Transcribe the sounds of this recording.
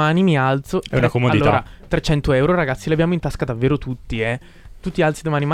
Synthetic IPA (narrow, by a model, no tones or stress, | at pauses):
aːnimialt̪soɛ̰unakomodaliloːaɾat̪ɾet͡ʃːɛnt̪oɛwɾoɾaɡat̪sːilabjaːmoint̪askad̪avːeːɾot̪ut̪ːiɛ | t̪ut̪ːialt̪sid̪omaːnima